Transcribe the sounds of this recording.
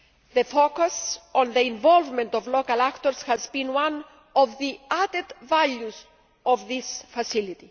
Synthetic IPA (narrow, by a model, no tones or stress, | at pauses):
ðəfokusɔ̃nðəĩɱvɔlvmẽnt̪ɔvlokalakt̪oɾshazbĩnwãn | ɔvðiad̪ed̪valjuz | ɔvðisfasilit̪i